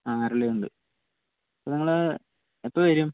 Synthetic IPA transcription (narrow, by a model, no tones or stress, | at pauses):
aːrilːeuɳɖɨ | ɐpːoniŋːɐɭ | epːɐʋɐɾum